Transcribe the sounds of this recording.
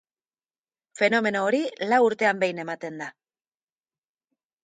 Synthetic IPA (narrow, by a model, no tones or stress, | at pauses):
fe̞no̞me̞no̞ːɾilawuɾt̪e̞ambe̞jne̞mat̪e̞nd̪a